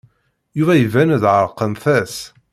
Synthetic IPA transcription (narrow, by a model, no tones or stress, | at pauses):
juvæjəvænðʕəɾˤqːənθæs